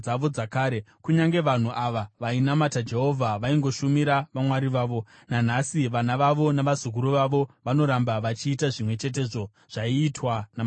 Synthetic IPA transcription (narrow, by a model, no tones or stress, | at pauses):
aʋo̞d͡zakaːɾe̞kuɲaŋɡe̞ʋan̤uʔaʋaʋainamatad͡ʒe̞ɦo̞vʱaʋaiŋɡo̞ʃumiɾaʋamwaɾiʋaːʋo̞ | nan̤asiʋanaʋaʋo̞naʋazuk̬uɾuʋaʋo̞ʋano̞ɾambaʋat͡ʃiːtaʐimwe̞t͡ʃe̞t̬e̞ʐo̞ | ʐ̥aiːtwanam